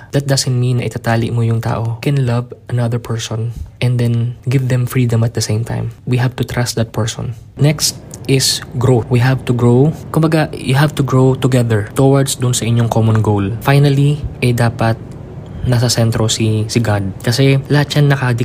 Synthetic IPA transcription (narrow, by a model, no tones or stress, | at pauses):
d̥̪ɐt̪̚d̪ɐsɐ̃nt̪̚mĩnːɐʔɪt̪at̪aːlɪʔmojʊŋt̪a̰ːʔo̞kɛnlɐvʔɐnɐðəɹpʰɛɹsɔ̃nʔɛ̃nd̪ɛnɡɪvd̪ɛ̃mfɹiːd̪ɐ̃mɐt̪̚d̪ɐsẽjmt̪ʰã̰jmwiɦavt̪ʊt̪ɹast̪̚d̪ɐt̪̚pʰɛɹsɔ̰nnɛkst̪ʔɪsɡɹowiɦavt̪ʊɡɹokʊmbɐɡajʔʊɦavt̪ʊɡɹowt̪ʊɡɛðɛɹt̪owɐɹd̪sd̪ʊnsɐʔɪɲoŋkomɔnɡowlfajnɐliʔɐjd̪aːpɐt̪̚ | nɐs̬ɐsɛnt̪ɾosisɪɡad̪̚kɐsɛlɐhat̪ʃɐŋnɐkɐd̪ɪ